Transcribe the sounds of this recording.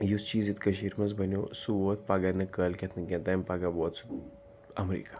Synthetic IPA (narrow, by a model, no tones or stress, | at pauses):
just͡ʃiːzit̪kɐʃiːɾmɐnzbɐnjosuboːt̪̚ʰpaːɡanɐkəːlkʲet̪ʰnɨkʲẽnt̪ɐmʲpaɡaboːt̪s | ɐmɾḭːkḁ